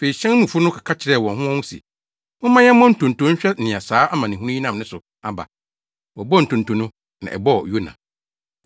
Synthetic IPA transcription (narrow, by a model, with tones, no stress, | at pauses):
fe˨i˨ɕɛ̃˦n˦mũ˨fʊ˦nʊ̃˦kʰa˨kʰa˦t͡ɕʰɪ˨ɾɛ˦˨wɔ̃˨nɦʊ̃˦ɔ̃˦hũ˦sḭ˨ | ʊ̃˦mã˦jɛ̃˦mɔ̃˦n̩˨tʰũ˨n˨tũ˨˦ɲ̩˦ɕᶣɛ˦˨nɪ̃˨a˨saː˨˦a˦mã˨nɪ̃˨hũ˦ũ˦ĩ˦nã˦˨mnɪ̃˦sʊ˨ | a˨ba̰˨ | wɔ˨bɔ˦n̩˨tʰũ˨n̩˨tũ˨nʊ̃˦ | nã̰˨ʔɛ̰˨bɔ˦˨jo˦nã̰˨